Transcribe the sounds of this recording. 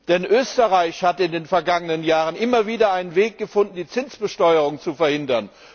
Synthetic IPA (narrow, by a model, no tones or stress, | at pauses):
d̥ɛnʔøːstəʁaɪçhatɪndeːnfɛɐɡaŋənənjaːʁ̞ənʔɪmɐviːdɐaɪnənveːk̚ɡ̥əfʊndn̩diːt͡sɪnt͡sb̥əʃtɔʏəʁʊŋt͡sufɛɐhɪndɐn